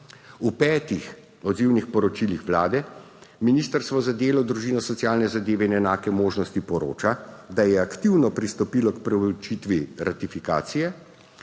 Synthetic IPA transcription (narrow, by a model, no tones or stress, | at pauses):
upɛːt̪ix | ɔd̪ziwnixpɔɾɔt͡ʃilixʋlaːd̪ɛ | miniːst̪əɾst̪ʋɔzad̪eːlɔd̪ɾuʒiːnɔsɔt̪sjaːlnɛzad̪eːʋɛinɛnaːkɛmoːʒnɔst̪ipɔɾo̰ːt͡ʃad̪ajɛakt̪iwnɔpɾist̪ɔpiːlɔkpɾɛwlɔt͡ʃiːt̪ʋiɾʔat̪ifika̰ːt̪sijɛ